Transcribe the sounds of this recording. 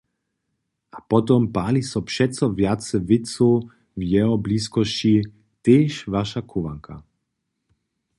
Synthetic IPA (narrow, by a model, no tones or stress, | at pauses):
ʔapɔt̪ɔmpaːlisɔpʃɛt̪t͡sɔvjat̪t͡sɛvɪt̪t͡su | vjɛɦɔbliːskɔʃt͡ɕi | t̪eːʃvaʃakʰuʋa̰ŋkʰa̰